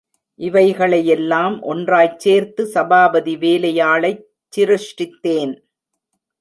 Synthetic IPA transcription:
ʔɪʋɐɪɣɐɭɐjɛlːaːmʔɔ̰ndraːjt͡ʃeːɾt̪ɯsɐbaːbɐðiʋeːlɐjaːɭɐɪː | ɪɾɪʂʈɪt̪ːeːn

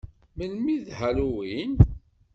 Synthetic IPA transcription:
məlmiðhæluwin

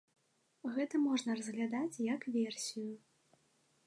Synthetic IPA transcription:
ɣɛt̪ɐmɔʐnɐrɐzɣlʲad̪at͡sʲjɐkvʲɛrsʲiju

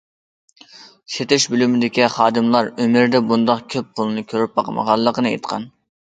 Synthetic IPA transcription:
ʃet̪ɪʃbylymɪd̪ɪkʲiχɑːd̪ɨmlˠɑɾømɪɾd̪ɛbund̪ɑqkʲʰøp̚qʰolˠɨnɨkʲʰøɾyp̚bɑqmə̰ʁɑlˠːəqənɨḛt̪qʰɑ̰n

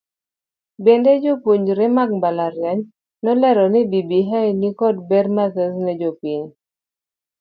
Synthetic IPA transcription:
bended͡ʒopwuɲɾɪmak̚mbalaɾjɛɲ | nɔlɛɾɔnɪbibiɦajnikɔd̚bɛɾmasɛznɛd͡ʒopwiɲ

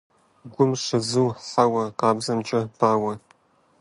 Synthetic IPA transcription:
ɡʷʊmʂɐzɨwħawɐqɑːbzɐmt͡ʃʼɐb̥aːwɐ

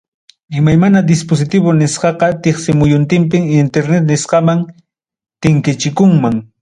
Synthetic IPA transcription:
ɪmajmanad̪ɪspos̬ɪt̪ɪβʊnɪsqɑqɑt̪ɪχsɪmʊjʊnt̪ɪmp̬ɪŋɪnt̪eɾnet̪nɪsqɑmaŋ | t̪ɪŋkɪt͡ʃɪkʊŋmaŋ

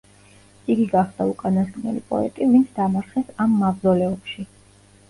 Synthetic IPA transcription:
iɡiɡaχd̪aukʼanaskʼnɛ̰lḭpʼɔ̰ɛ̰t̪ʼivint̪sʰd̪amaɾχɛsamːabzɔlɛɔpʃi

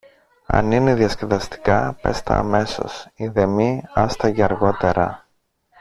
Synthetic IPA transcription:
ɐ̰nineðjɐsceðɐst̪i̥kɐpe̞st̪ɐ̰ːme̞so̞̰siðe̞miɐst̪ɐceɐɾɣo̞t̪e̞ɾɐ̰

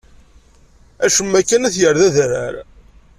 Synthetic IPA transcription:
æʃəmːækːænæθjəɾðæðɾə̰ɾ

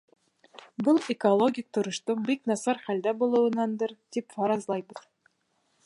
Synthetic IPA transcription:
bɤlˠekolˠoɡʲik̚t̪ŏɾɤ̆ʃt̪oɴbiknɑsɑɾχæld̪æbulˠɤ̆wɤ̆nɑnd̪ɤɾt̪ipfɑɾɑzlˠɑjbɤð

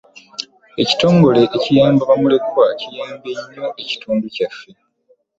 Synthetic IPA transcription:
eci̥to̞ːŋɡo̞le̞ʔːcijaːmbaβamule̞kwacijaːmbe̞ɲːoʔeci̥tuːnducafːe̞

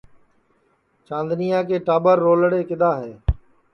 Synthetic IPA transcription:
t͡ʃãːnd̪nijãːk̬eːʈaːbəɾːoːləɽeːkɪd̪aːɦɛː

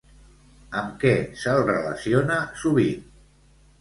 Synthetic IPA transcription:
əmkɛsəlˠrələsionasuβ̞in

